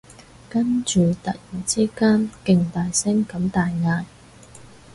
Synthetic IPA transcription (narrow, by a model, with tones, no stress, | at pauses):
kɐ˥nt͡ʃyː˨t̪ɐ̰˨k̚jiː˨˩nt͡siː˥kaː˥nkɪ˧ŋt̪aː˨jsɪ˥ŋkɐ˨˧˥mt̪aː˨jŋaː˧j